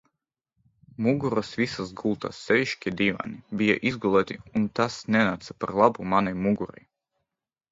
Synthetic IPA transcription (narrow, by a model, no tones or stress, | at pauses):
muɡuɾasvisasɡulˠt̪a̰sːɛvʲiʃkʲid̪iːva̰nibʲija̰ʔizɡulˠɛːt̪ʲiunt̪asnʲɛnat̪sapaɾlˠabumanajmuɡuɾa̰j